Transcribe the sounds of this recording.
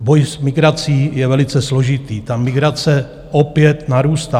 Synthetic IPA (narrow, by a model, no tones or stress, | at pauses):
bojsmɪɡɾat͡siːjɛvɛlɪt͡sɛslo̞ʒɪt̪iːt̪amɪɡɾat͡sɛ | ʔopjɛt̪naɾuːst̪aː